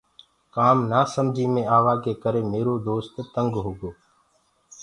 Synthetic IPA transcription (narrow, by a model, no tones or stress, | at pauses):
kaːmnaːsəmd͡ʒʱiːmẽːaːʋaːkeːkəɾeːmeːɾoːd̪oːst̪t̪əŋɡɦoːɡoː